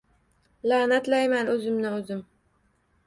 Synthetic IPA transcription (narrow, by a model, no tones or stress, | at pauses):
laːnat̪lajmanɵzɪmnɪɵzɪm